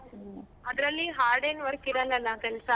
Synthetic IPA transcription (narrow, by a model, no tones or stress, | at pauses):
ɐd̪ɾɐlːiɦaːɾɖenʋɐɾkiɾɐlɐlːɐkɛlsa